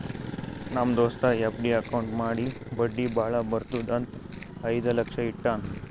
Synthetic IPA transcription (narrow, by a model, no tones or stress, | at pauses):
nɐmd̪oːst̪ɐepʰɖiɐkɐwɳʈmaːɽi | bɐɖːibaːɭɐbɐɾt̪ud̪ɐnt̪ɐjd̪ɐlɐkʂɐiʈːaːn